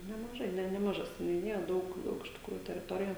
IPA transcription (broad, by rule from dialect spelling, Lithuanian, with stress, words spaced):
nʲɛmɐˈʒɐɪ ˈnʲɛ nʲɛmɐˈʒɐ sʲɛnʲʊˈnʲɪjɛ ˈdɐʊk ˈdɐʊk ɪʃ tʲɪkˈruːjʊ tʲɛrʲɪˈtoːrʲɪjɛ